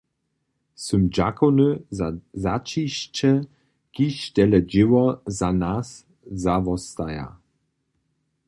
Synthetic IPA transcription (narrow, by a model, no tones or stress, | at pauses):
sʏmd͡ʒakɔnəzzat͡ʃiɕt͡ʃɛ | kiʃtɛlɛd͡ʒɪwɔzanas | zavɔst̪aja̰